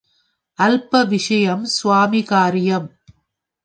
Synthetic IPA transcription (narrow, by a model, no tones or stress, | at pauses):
ʔɐlpɐʋɪʂɐjɐmsʊʋaːmɪɣaːɾɪjɐm